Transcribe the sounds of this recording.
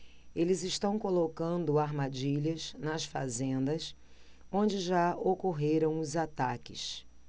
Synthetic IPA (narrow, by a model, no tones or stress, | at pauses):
elɪzɪʃt̪ɐ̃w̃kolokɐ̃nd̪ʊaɾmad͡ʒiʎɐznɐsfa̰zẽnd̪ɐs | õd͡ʒɪʒaokoɦeɾɐ̃w̃ʊzat̪akɪ̰s